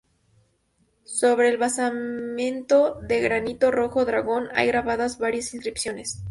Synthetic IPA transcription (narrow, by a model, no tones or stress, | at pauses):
so̞βɾe̞ːlβasamjẽ̞nt̪o̞ðe̞ɣɾanit̪o̞ro̞xo̞ðɾaɣo̞na̰jɣɾaβaðazβaɾjasinskɾipsjo̞ne̞s